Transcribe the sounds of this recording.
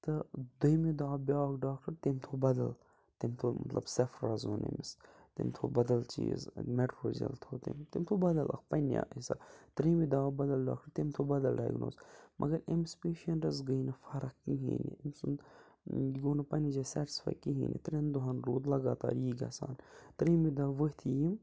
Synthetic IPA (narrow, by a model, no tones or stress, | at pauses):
t̪ɨd̪ɐjmid̪aːbʲaːkɖaːkʈɐɾt̪emt̪ʰoːbɐd̪ɐl | t̪emt̪ʰomɐ̰t̪lɐ̰bsɐfɾɐzoːnḛmis | t̪emt̪ʰoːbɐd̪ɐlt͡ʃḭːzmeʈɾoːd͡ʒiɐ̰lt̪ʰoːt̪ḛmt̪emt̪ʰoːbɐd̪ɐlʔɐ̰kpɐnja̰ʔisa̰t̪ɾĩːmid̪aːbɐd̪ɐlɖa̰ːk̚ʈɐɾt̪emt̪ʰobɐd̪ɐlɖa̰ːjɡno̰ːzmʔɐ̰ɡɐɾemɪspeːʃiɐnɐzɡəjnɐfɐɾɐkkːiɦḭːnḭemsun | ɡoːnɐpɐnid͡ʒasɛːʈi̥sfa̰jkːiɦḭːnḭt̪ɾend̪uɦɐnɾoːd̪lɐɡaːt̪aːɾiːɡɐ̰sa̰ːnt̪ɾiːmid̪aːʋət̪ʰijim